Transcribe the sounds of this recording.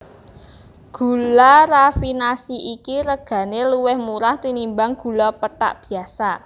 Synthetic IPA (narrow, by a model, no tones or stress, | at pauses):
ɡ̥ṳlaɾafinasiʔikiɾəɡ̥ä̤neluwɛhmuɾaht̪inimbaŋɡ̥ṳlɔpəʈa̰ʔb̥i̤asa